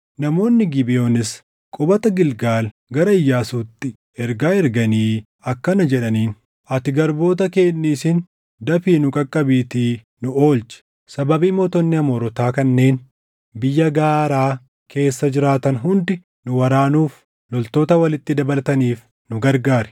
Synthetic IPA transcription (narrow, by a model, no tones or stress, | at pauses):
nɐmo̞ːnːɪɡɪbɪjo̞ːnɪs | kʼʊbɐt̪ɐɡɪlɡaːl | ɡɐɾɐɪjːaːsuːt̪ːɪ | ɛɾɡaːɛɾɡɐniː | ɐkːɐnɐd͡ʒɛᶑɐniːn | ɐt̪ɪɡɐɾbo̞ːt̪̬ɐke̞ːnːiːsɪn | d̪ɐfiːnʊkʼɐkʼːɐbiːt̪iː | nʊoːlt͡ʃɪ̥ | sɐbɐbiːmoːt̪ɔnːɪɐmoːɾɔt̪aːkɐnːe̞ːn | bɪjːɐɡaːɾaː | kʰe̞ːsːɐd͡ʒɪɾaːt̪ɐnɦʊnd̪ɪ | nʊwɐɾaːnuːf | lɔlt̪o̞ːt̪ɐwɐlɪt̪ːɪd̪ɐbɐlɐt̪ɐniːf | nʊɡɐɾɡaːɾɛ̥